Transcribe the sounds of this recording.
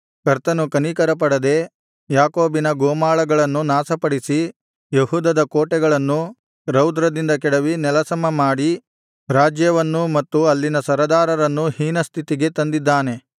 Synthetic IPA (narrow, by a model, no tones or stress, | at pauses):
kɐɾt̪ɐnukɐnikɐɾɐpɐɽɐd̪e̞ | jaːkoːbinɐɡoːmaːɭɐɡɐɭɐnːunaːsɐpɐɽisi | jeɦuːd̪ɐd̪ɐkoːʈɛɡɐɭɐnːu | ɾɐwd̪ɾɐd̪ind̪ɐkɛɽɐʋinɛlɐsɐmɐmaːɽi | ɾaːd͡ʒjɐʋɐnːumɐt̪ːuɐlːinɐsɐɾɐd̪aːɾɐɾɐnːuhiːnɐst̪ʰit̪iɡe̞t̪ɐnd̪id̪ːaːne̞